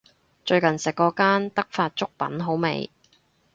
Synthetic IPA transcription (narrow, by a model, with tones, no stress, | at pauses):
t͡ʃɵ˧ɥkɐ˨˩nsɪ˨kːɔː˧kaː˥nt̪ɐ˥k̚faː˧t̚t͡ʃʊ˥k̚pɐ̰˨˥nɦo˨˥wmḛ˨j